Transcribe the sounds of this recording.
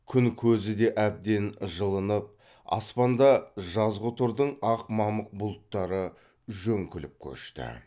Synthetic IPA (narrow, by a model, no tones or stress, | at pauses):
kʲʰʏŋkʲʰɵzɪd̪e̞ʔæb̚d̪e̞nʒəlˠənəp̚ | ɑ̰spɑnd̪ɑʒɑzʁʊt̪ʰʊɾd̪əɴɑqmɑməq̚bʊlˠt̪ːɑɾə | ʒɵŋkʲʰʏlɪp̚kʲʰɵ̰ʃt̪ɪ̰